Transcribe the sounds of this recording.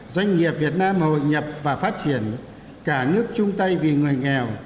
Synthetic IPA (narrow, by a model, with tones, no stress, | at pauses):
zwa˧jŋ̟ŋi˨˩əp̚vi˨˩ət̚naː˧mho̰˧˨jɲə˨˩p̚vaː˨˩faː˦˥t̚t͡ɕi˧˩ən | kaː˧˩nɨ˦˥ək̚t͡ɕʊ˧ŋ͡mt̪ə˧jvi˨˩ŋɨ˨˩əjŋɛ˨˩w